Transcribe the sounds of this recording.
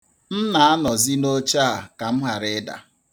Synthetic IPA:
n̩˦na˨a˦nɔ˨zi˦no˦t͡ʃa˦a˨ka˨m̩˦ɦa˨ɾɪ˦da̰˨

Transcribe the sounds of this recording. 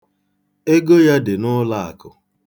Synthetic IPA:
e˦ɡo˦ja˦dɪ˨nʊ˦la˦˨a̰˨kʊ˨

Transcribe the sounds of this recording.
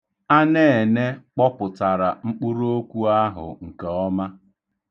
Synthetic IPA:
a˦ne˦e˨ne˦k͡pɔ˦pʊ˨ta˨ɾa˨ŋ͡m̩˦k͡pu˦ɾo˦kʷu˦a˦ɦʊ̰˨ŋ̩˨ke˨ɔ˦ma˦

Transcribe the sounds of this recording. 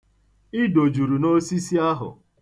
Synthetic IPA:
ɪ˦do˨d͡ʒu˨ɾu˨no˦si˦si˦a˦ɦʊ̰˨

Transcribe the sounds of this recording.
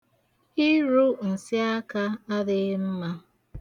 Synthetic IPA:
i˦ɾu˦n̩˨sɪ˦a˦ka˦a˦dɪ˦m̩˦ma˦

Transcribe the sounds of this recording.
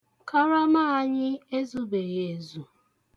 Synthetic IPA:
ka˦ɾa˦ma˦a˦ɲɪ˦e˦zu˦be˨ɾe˨zu˨

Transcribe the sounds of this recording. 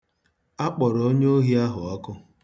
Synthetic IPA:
a˦k͡pɔ˨ɾo˦ɲ˦o˦ɦi˦a˦ɦʊ˨a˦kʊ˦

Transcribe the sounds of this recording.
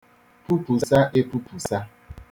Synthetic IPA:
pu˦pu˨sa˦ʔe˦pu˦pu˨sa˦

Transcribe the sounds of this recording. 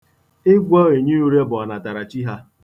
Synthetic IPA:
ɪ˦ɡʷɔ˦e˨ɲi˦u˦ɾe˦bʊ˨a˨na˨ta˨ɾa˨t͡ʃi˦ɦa˦

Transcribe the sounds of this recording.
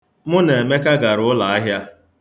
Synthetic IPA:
mʊ˦ne˨e˨me˦ka˦ɡa˨ɾʊ˨ʊ˦la˨a˦ɦja˦

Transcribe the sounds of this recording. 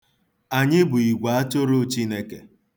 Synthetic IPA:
a˨ɲɪ˦bʊ˨i˨ɡʷa˨a˦to˦ɾo˦t͡ʃi˦ne˦ke˨

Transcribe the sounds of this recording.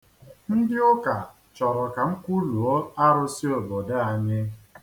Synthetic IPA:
n̩˦dɪ˦ʊ˦ka˨ | t͡ʃɔ˨ɾɔ˨ka˨ŋ̩˦kʷu˦lu˨o˦a˦ɾʊ˦si˦o˨bɔ˨da˦a˨ɲɪ˦

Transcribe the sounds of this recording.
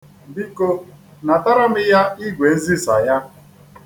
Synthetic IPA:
bi˦ko˦ | na˨ta˦ɾa˦mɪ˦ja˦i˦ɡʷe˨n̩˦zi˦sa˨ja˦

